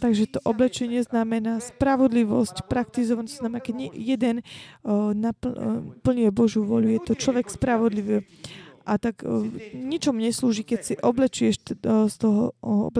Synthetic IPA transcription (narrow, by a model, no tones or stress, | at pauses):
t̪aɡʒɛt̪ɔʔɔblɛt͡ʃɛɲɪɛznamɛnaːspɾaʋɔd̪liʋɔscpɾak̚t̪izɔʋanɔznamɛnaːkɛɟɲɛjɛd̪ɛn | napupl̩ɲujɛbɔʒjuʋʊɔʎujɛt̪ɔt͡ʃlɔʋɛkspɾaʋɔd̪liʋi | ʔat̪aɡɲit͡ʃɔmuɲɛsluːʒikɛcsiʔɔblɛt͡ʃujɛʃst̪ɔɦɔɔ̰b